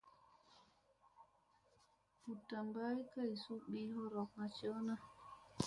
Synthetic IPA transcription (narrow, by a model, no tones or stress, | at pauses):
hutːambaikajsuɓiːhɔɾɔk̚nat͡ʃɔna